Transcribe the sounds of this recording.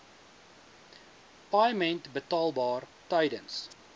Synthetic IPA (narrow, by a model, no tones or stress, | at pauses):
pɑjmɛ̃ntbətɑːlˠbɑːrtɐjdəns